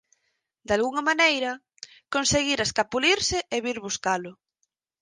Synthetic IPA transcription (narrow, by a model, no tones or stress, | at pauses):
d̪alɣuŋɐmanejɾɐ | konseɣiɾaskapuliɾsɪʔeβiɾβuskalʊ